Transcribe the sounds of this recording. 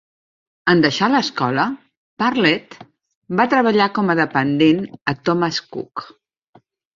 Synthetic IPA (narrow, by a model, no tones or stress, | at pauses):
ənd̪əʃaləskɔlə | paɾlɛt̪ | bat̪ɾəβəʎakɔməðəpənd̪enət̪ɔməskṵk